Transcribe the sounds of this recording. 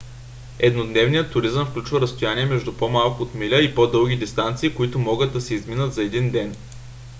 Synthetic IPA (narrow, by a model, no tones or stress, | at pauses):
ɛd̪nod̪nɛvnijət̪ːʊɾizəmfklʲut͡ʃvəɾɐst̪ojaniɛmɛʒd̪upomalˠkʊːt̪milʲəipod̪ɤlˠɡʲid̪ist̪ant̪siːkoʊit̪ʊmɔɡət̪̚d̪ɐsɛizminət̪zɐɛd̪ind̪ɛn